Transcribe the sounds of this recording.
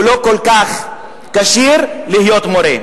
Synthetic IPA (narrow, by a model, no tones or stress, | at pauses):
lokolkaχ | kaʃiɾlihjot̪moɾe